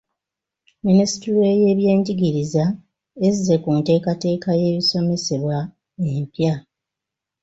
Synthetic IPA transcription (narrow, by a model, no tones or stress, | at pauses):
minisi̥tieje̞βje̞ːɲɟiɡiɾiza | ezize̞kunte̞ːkate̞ːkaje̞ːβiso̞me̞se̞βwa | empja